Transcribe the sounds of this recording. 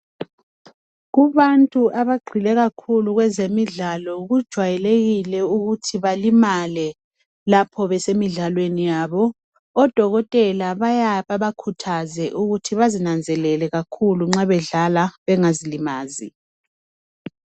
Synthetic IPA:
ɣuβantʼuʔaβaɡ͡ǃʱilɛɣakʰuluɣwɛzemiɮalɔɣud̥ʒ̥ʱwajɛleɣilɛuɣutʰiβalimalɛ | lapʰɔβɛsemiɮalwenijaːβɔ | ɔd̥ʱɔɣɔtʼɛlaβajaβaβakʰutʰazɛʔuɣutʰiβazinand͡zʱɛlɛlɛɣakʰuluŋ͡ǁaβɛɮalaβɛŋazilimaːzi

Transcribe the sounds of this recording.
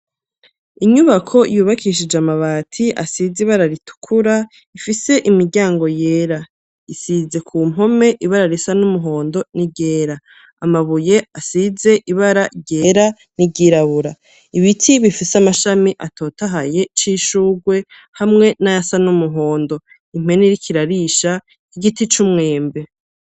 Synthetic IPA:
iɲuβakʰo̞juːβakiːʃ̬id͡ʒamaβaːtʰiʔasiziβaɾaɾitʰu̥kʰuɾa | ifise̞ʔimiɾɟaːŋɡo̞je̞ːɾa | isize̞kʰuːm̥ɦo̞me̞ʔiβaɾaɾisanumuɦo̞ːndo̞niɟe̞ːɾaː | maβuje̞asize̞ʔiβaɾaɟeːɾa | niɟiɾaβuɾa | iβitʰiβifiseamaʃamiʔatʰo̞ːtaɦaje̞t͡ʃiːʃuːɡwe̞ | hamŋe̞naasanumuɦo̞ːndo̞ | im̥we̞neɾikʰiɾaɾiʃa | iɡitit͡ʃumŋe̞ːmbe̞

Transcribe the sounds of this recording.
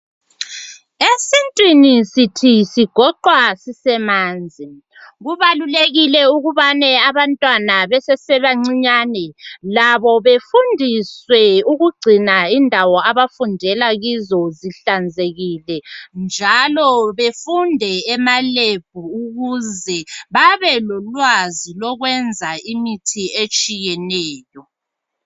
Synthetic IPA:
esintʼwinisitʰisiɡ̥ʱɔǃwasisɛmaːnd͡zʱi | ɣuβaluleɣilɛuɣuβanɛaβantʼwanaβɛsɛsɛβaŋ͡ǀiɲanɛlaβɔβefundʱiswɛuɣuɡ͡ǀʱinaindʱawɔaβafundʱɛlaɣizɔziɬand͡zʱeɣilɛnd͡ʒʱalɔβefundʱɛːmaleb̥ʱuːɣuzɛβaβɛlɔlwazilɔɣwɛnd͡zʱaimitʰiet͡ʃʼijɛnɛːjɔ

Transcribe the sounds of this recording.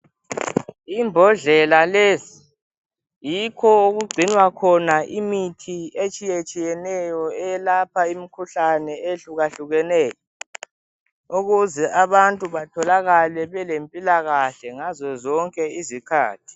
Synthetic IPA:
imbʱɔɮɛlaleːzi | jikʰɔuɣuɡ͡ǀʱinwakʰɔnaʔimitʰiet͡ʃʼijet͡ʃʼijɛnɛjɔɛjɛlapʰaimikʰuɬanɛeɬuɣaɬuɣɛnɛːjɔ | uɣuzɛʔaβantʼuβatʰɔlaɣalɛβɛlempʼilaɣaɬɛŋazɔzɔŋkʼɛizikʰa̰ːtʰi̥

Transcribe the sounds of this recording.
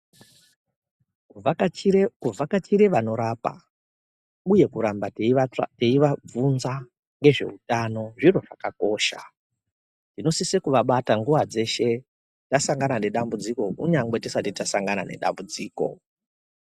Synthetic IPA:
u | kuvakat͡ʃiɾeʋano̞ɾaːpa̰ | uje̞kuɾambaateiʋab͡vunza | ŋɡe̞ʐe̞̰utano̞ʐiro̞ʐakako̞ːʃa̰ | nino̞sisekuʋaɓataŋɡuʋad͡ze̞ʃe̞ | tasaŋɡanane̞ɗambud͡ziko̞kṵɲaŋɡwe̞tisatitasaŋɡana̰ne̞̰ɗa̰mbud͡ziːko̞̰

